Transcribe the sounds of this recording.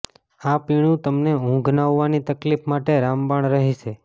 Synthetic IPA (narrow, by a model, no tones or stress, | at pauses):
apiɽ̃ũt̪əmneɦũɡʱnaʋːanit̪əklifmaʈeɾambaɳ̃ɾəɦiʃʰe